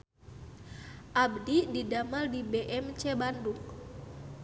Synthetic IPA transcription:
ʔabdididamaldibɛʔɛmt͡ʃɛbanduk

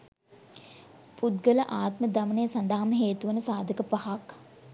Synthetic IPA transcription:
pud̪ɡələʔaːt̪məd̪amənejəsand̪aɦaməɦeːt̪uʋənəsaːd̪ʱəkəpahak

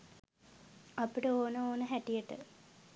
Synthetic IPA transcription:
ɐpiʈəoːnəoːnəɦæʈijəʈə̰

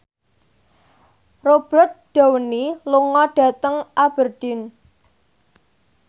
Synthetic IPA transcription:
rob̥ət̪̚ɖ̥a̤wəniluŋɔɖ̥ä̤t̪əŋʔab̥ərd̥ɪ̤n

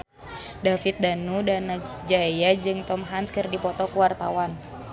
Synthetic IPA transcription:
dafit̪̚danudana | d͡ʒaijad͡ʒɨŋt̪ɔmɦanskɨrdipɔt̪ɔkuwart̪a̰wan

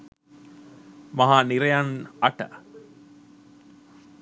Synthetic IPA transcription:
maɦaːniɾejanaʈə̰

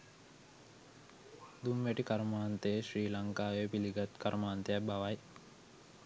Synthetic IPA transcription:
d̪umʋæʈikaɾmaɦant̪əjeɕɾiːlaŋkaːʋepiliɡat̪kaɾmaɦant̪əjabaʋaj

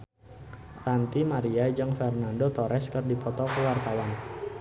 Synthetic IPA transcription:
rant̪imaɾiad͡ʒɨŋfɛrnandot̪ɔɾʔɛskɨrdipɔt̪ɔkəwart̪awan

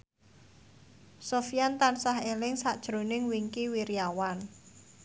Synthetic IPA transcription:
sofijant̪ansaɦelɪŋsaʔd̥ʒ̥ɾonɪŋwiŋkiwiɾiawan

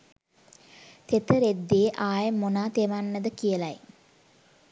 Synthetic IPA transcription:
t̪et̪əɾed̪ːeːʔaːjemonaːt̪eʋanːəd̪əkijəlaj

